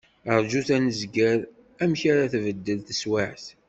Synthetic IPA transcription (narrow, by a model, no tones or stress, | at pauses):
əɾˤd͡ʒuθænəzɡəɾ | æmçaɾaθvəd̪ːəlθəswaʕθ